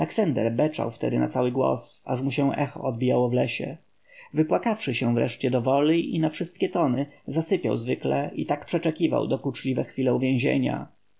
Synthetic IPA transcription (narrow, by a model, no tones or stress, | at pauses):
lɛksand̪ɛ̰ɾbɛt͡ʂa̰wft̪ɛ̰d̪ɘna̰t̪sawɘɡwɔ̰sa̰ʂmuɕɛw̃ʔɛxɔ̰ɔd̪̚bʲijawɔvlɛɕɛ̰ | vɘpwakafʂɘɕɛ̃vɾɛ̰ʂt͡ɕɛd̪ɔvɔliinafʂɘst̪kʲɛt̪ɔnɘzasɘpʲja̰wzvɘklɛʔit̪akpʂɛt͡ʂɛkʲiva̰wd̪ɔklut͡ʂlʲivɛxfʲilɛuvʲjɛ̃w̃ʑḛɲa̰